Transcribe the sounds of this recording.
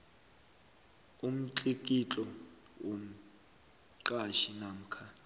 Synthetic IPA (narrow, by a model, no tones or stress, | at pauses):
um̩t͡ɬʼik̬ʼit͡ɬʼɔ | wom̩ | ǀaʃinam̩kʰa